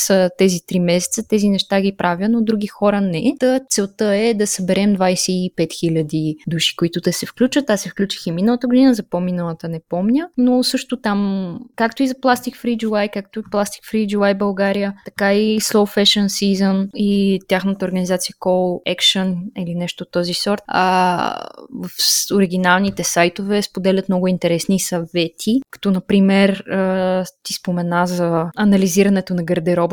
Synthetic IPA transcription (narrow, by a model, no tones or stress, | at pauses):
sət̪ɛzit̪ɾimɛsɛ̥t̪sət̪ɛzinɛʃt̪aɡʲipɾʔavʲjənod̪ɾuɡ̟ixɔɾənɛt̪ət̪sɛlˠt̪əɛd̪ɐsəbɛɾɛmd̪vajsɛipɛt̪xilʲəd̪id̪uʃi̥koit̪ʊt̪ɛsɛfklʲut͡ʃvət̪asɛfklʲut͡ʃi̥ximinəlˠət̪əɡʊd̪inəzɐpominəlˠət̪ənɛpɔmnʲənosɤʃt̪ʊt̪amkakt̪ʊizɐplˠast̪ikfɾid͡ʒuajkak̚t̪ʊiplˠast̪i̥kfɾid͡ʒuajbɐlˠɡaɾijət̪ɐ̥kaislˠofɛʃənsizənit̪ʲjaxnət̪əoɾɡənizat̪sijəkɔlˠɛkʃənilinɛʃt̪ot̪ːɔzisɔɾt̪ə̰ | vəfoɾiɡ̟inalˠnit̪ɛsajt̪ovɛspod̪ɛlʲət̪mnɔɡʊint̪ɛɾɛsnisɐvɛt̪ʰikɐ̥t̪ɔnɐpɾimɛɾət̪ispomɛnazɐɐnɐliziɾɐnɛt̪onɐɡəɾd̪ɛɾɔb